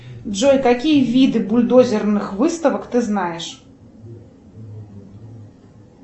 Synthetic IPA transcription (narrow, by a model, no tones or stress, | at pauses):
ʐɔjk̪akʲijɐvʲid̪ɨbulʲd̪ɔzʲɛrnɨxvɨst̪ɐvɐkt̪ɨznajɛʂ